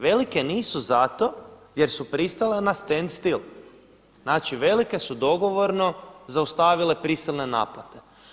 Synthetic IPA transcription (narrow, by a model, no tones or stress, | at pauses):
ʋe̞like̞niːsuzat̪o̞je̞ɾsupɾist̪alenast̪end̪st̪il | naːt͡ʃiʋe̞like̞sud̪o̞ɡo̞ʋo̞ɾno̞zaust̪aːʋile̞pɾisilˠne̞na̰ːplˠat̪e̞̥